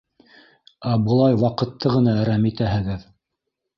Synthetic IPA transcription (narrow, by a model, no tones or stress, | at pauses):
æbɤ̆lˠɑjwɑqɤ̆t̪ːɤʁɤ̆nɑɘɾæmit̪æɦɘ̆ɡɘð